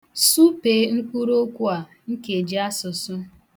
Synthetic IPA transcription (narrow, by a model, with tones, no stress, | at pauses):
su˦peː˨˦ŋ̩˦ku˦ɾo˦kʷu˦a˨ | ŋ̩˦ke˨d͡ʒi˦a˦sʊ˨sʊ˦